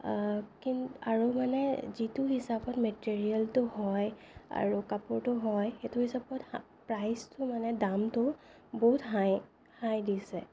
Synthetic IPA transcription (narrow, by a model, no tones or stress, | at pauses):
kinaɹumanɛzitʊhisapɔtmetiɹialtʊhɔj | a̰ɹukapʊɹtʊɦɔjxetʊhisapɔt | pɹajstʊmanɛdamtʊ | boɦutɦaj | hajdisɛ